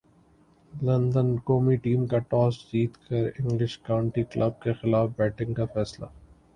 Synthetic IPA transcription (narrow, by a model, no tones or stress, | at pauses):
lɐ̃nd̪ənkoːmiʈiːmkaʈɔːsd͡ʒiːt̪kɐɾɪ̃ŋɡlɪʃkaːʊ̃ɳʈiklʔɐb̚kexɪlaːfbɛːʈɪ̃ŋɡkafɛːsla̰